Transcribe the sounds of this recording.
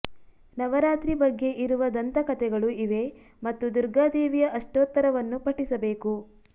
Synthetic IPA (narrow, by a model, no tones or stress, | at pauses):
nɐʋɐɾaːt̪ɾibɐɡːe̞ʔiɾuʋɐd̪ɐnt̪ɐkɐt̪ɛɡɐɭuiʋe̞ | mɐt̪ːud̪uɾɡaːd̪eːʋijɐʔɐʂʈoːt̪ːɐɾɐʋɐnːupɐʈisɐbe̞ːku